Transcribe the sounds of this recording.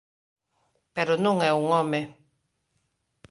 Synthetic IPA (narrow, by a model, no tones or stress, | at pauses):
peɾonuŋɛuŋɔme